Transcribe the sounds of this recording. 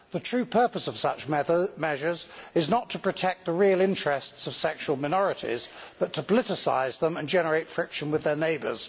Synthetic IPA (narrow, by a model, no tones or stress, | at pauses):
ðətʰɹ̥ʉːpʰɜˑ˞pəsəv̥sʌt͡ʃmɛʒə˞zɪznətʰəpʰɹ̥ətʰɛk̪̚ðəɹilˠɪ̃nt͡ʃɹ̥ɛstsəv̥sɛkʃuəlˠmaɪnɔɹɪtɪ̰z̥b̥ʌtʰəpʰəlɪɾɪsa̰ɪzðə̃mə̃nd͡ʒɛnəɹeɪtfɹɪkʃə̃nwɪðəneɪbə̰˞z̥